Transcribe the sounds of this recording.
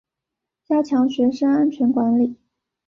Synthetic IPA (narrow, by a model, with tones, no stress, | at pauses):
t͡ɕja˥t͡ɕʰjɑ˧˥ŋɕɥɛ˧˥ʂa˥na˥nt͡ɕʰɥɛ˧˥nkwa˧˥nli˨˩˦